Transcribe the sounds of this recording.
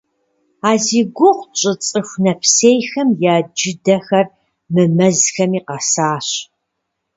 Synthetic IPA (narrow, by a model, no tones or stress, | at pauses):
aːziːɡʷʊqʷt͡ʃʼɨt͡sʼɨxʷnɐpʰsejxɐmjaːd͡ʒɪdɐxɐr | mɨmɐzxɐmiːqɐsaːɕ